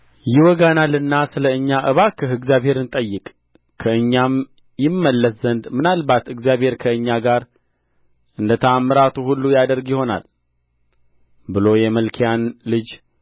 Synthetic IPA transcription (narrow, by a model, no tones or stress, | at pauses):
jɪwɔɡanalɨnːasɨləɨɲːaʔɨβakʰəɦɨɡzijaβhe̞ɾɨnt̪ʼəjːɪkʼ | kʰəɨɲːam | jɪmːəlːəszənd̪mɨnalbat̪ɨɡzjaβhe̞ɾkʰəɨɲːaɡaɾ | ʔɨnd̪ət̪ʰəamːəɾat̪ʰuhulːujad̪əɾɡjɪho̞na̰l | bɨlo̞jɛməlkʰijanlɨd͡ʒ